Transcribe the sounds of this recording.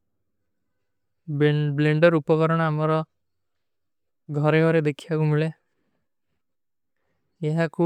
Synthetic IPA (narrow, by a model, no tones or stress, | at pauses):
bleɳɖɔɾupɔkɔɾɔɽ̃aamɔɾɔ | ɡʱɔɾeɡʱɔɾed̪ekʰiakumiɭe | eɦaku